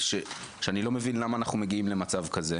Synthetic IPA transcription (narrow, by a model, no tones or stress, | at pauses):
ʃekʃeanilo̞me̞vinlamaːnaχnume̞ɡiimle̞mat͡savkaze